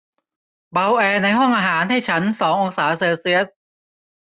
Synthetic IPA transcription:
ba˧wʔɛː˧na˧jɦɔ˥˩ŋʔaː˧ɦaː˩˦nɦa˥˩jt͡ɕʰa˦˥nsɔː˩˦ŋʔo˧ŋsaː˩˦seː˧si˧˥ə˥˩t̚

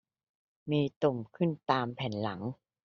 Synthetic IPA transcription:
miː˧t̪u˨˩mkʰɯ˥˩nt̪aː˧mpʰɛ˨˩˦nla˩˦ŋ

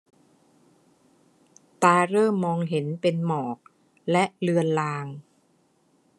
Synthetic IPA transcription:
t̪aː˧ɾɤː˥˩ɔː˧ŋɦe˩˦npe˧nmɔː˨˩k̚ | lɛ˦˥ʔlɯ˧ənlaː˧ŋ

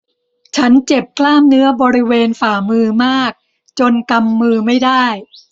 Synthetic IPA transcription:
t͡ɕʰa˦˥nt͡ɕe˨˩p̚kʰlaː˥˩mnɯ˦˥ɐbɔː˧ɾi˦˥weː˧nfaː˨˩mɯː˧maː˥˩k̚ | t͡ɕo˧nka˧mːɯː˧ma˥˩jdaː˥˩j

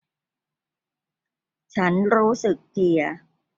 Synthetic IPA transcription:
t͡ɕʰa˦˥nɾuː˦˥sɯ˨˩k̚t̪ʰi˨˩ɐ

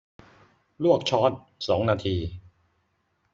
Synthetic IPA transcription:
lu˥˩ək̚t͡ɕʰɔː˦˥t̪̚ | sɔː˩˦ŋnaː˧t̪ʰiː˧

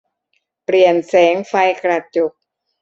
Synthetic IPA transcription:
pli˨˩ənsɛː˩˦ŋfa˧jkɾa˧t͡ɕo˨˩k̚

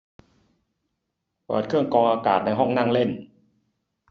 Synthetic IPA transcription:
pɤ̰ː˨˩t̪̚kʰɯ˥˩əŋkɔː˧ŋʔaː˧ka̰ː˨˩t̪̚na˧jɦɔ˥˩ŋna˥˩ŋle˥˩n

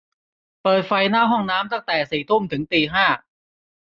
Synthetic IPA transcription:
pɤː˨˩t̪̚fa˧jnaː˥˩wɦɔ˥˩ŋnaː˦˥mt̪a˥˩ŋt̪ɛː˨˩siː˨˩t̪ʰu˥˩˨mt̪ʰɯ˩˦ŋt̪iː˧ɦaː˥˩

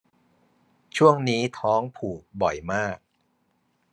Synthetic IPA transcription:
t͡ɕʰu˥˩əŋniː˦˥t̪ʰɔː˦˥ŋpʰuː˨˩k̚bɔ˨˩jmaː˥˩k̚

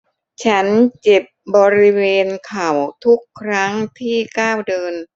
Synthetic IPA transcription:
t͡ɕʰa˦˥nt͡ɕe˨˩p̚bɔː˧ɾi˦˥weː˧nkʰa˨˩wt̪ʰu˦˥kʰːɾa˦˥ŋt̪ʰiː˥˩kaː˥˩wdɤː˧n

